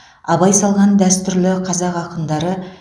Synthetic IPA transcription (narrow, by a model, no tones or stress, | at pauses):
ɑbɑjsɑlˠʁɑnd̪æst̪ʏɾlɪqʰɑzɑqɑqənd̪ɑɾə